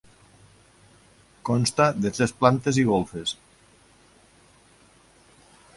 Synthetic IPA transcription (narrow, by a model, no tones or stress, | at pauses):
kɔnst̪aðet̪ɾesplant̪eziɣolˠfes